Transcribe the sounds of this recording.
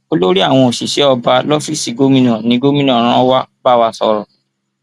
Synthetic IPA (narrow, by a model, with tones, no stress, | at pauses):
o˦lo˦ɾi˦a˦˨w̃ɔ̃˧o˨ʃi˨ʃɛ˨˦ɔ˧ba˧lɔ˦fi˦˨si˨ɡo˦mĩ˦nɔ̃˦˨nĩ˨˦ɡo˦mĩ˦nɔ̃˦˨ɾ̃ã˦wa˦ba˦˨wa˧sɔ˧ɾɔ˨